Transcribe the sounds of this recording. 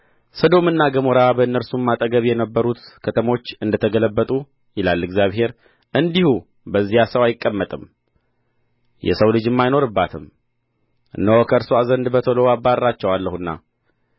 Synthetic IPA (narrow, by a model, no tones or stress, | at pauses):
səd̪o̞mɨnːaɡəmoɾabəɨnːəɾsumːat̪ʼəɡəβjɛnəbːəɾut̪kʰət̪ʰəmo̞t͡ʃːɨnd̪ət̪ʰəɡələbːət̪ʼu | jɪlalːɨɡzijaβhe̞ɾ | ʔɨnd̪ihu | bəzːijasəwajɪkʼːəmːət̪ʼɨm | jɛ̰səwlɨd͡ʒɨmːajno̞ɾɨbːat̪ʰɨm | ʔɨnːəwokʰəɾsoazənd̪bət̪ʰəlowabːarːat͡ʃːɛwalːəhɨnːa̰